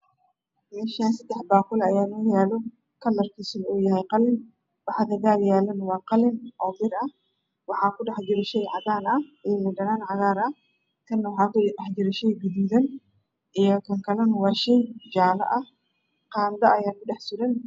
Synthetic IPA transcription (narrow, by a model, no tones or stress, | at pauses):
mɛːʃaːnsɐd̪ɛħbaːqʊlɐjaːlɐːjaːlɔ | kʰɐlːɐrkʰiːsɔlɐʊjɐɦɛjqɑlɪn | wɑħd̪ɐɣaːljaːlɐnwɑːqɑlɪnʔɔːbɪɾɐ | wɑħɑːkʰʊɖɛħd͡ʒɪɾɐʃɛjʕɑɣaːnɐɪmʊɖɐnaːnʕɑɣaːɾɐ | t̪ʰɐnːɐwɑħɑːkɑħd͡ʒɪɾɐʃɛjɡʊðuːðɐn | ʔijɔkʰɐŋkʰɐlɐnwɑːʃɛjd͡ʒaːlɐ̰ʔɐ | qɑːnd̪ɐʔɐjaːkʊɖɛħsʊɾɛn